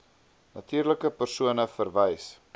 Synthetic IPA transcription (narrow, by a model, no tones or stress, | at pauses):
nɐtiːrləkəpərsuənəfərvɛjs